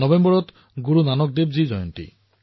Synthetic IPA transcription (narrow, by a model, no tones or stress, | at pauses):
ɔbɛmbɔɹɔt | ɡuɹunanɔk̚debzizɔjɔntḭ